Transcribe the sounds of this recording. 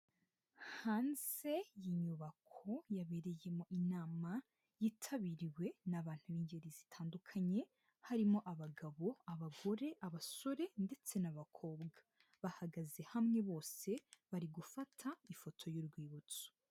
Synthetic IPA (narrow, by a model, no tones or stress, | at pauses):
haːnze̞jiɲuβakʰo̞jaβe̞ɾe̞je̞moʔinaːma | jitʰaβiɾiwe̞naβaːn̥huβiːɲɟe̞ɾizitʰaːndukʰaɲe̞ | haɾimo̞ʔaβaɡaβo̞aβaɡo̞ɾe̞ʔaβaso̞ɾe̞nde̞t͡se̞naβakʰo̞bɡa | βahaɡaze̞hamŋe̞βo̞ːse̞βaɾiɡufatʰaifo̞tʰo̞juɾɡwiːβut͡su̥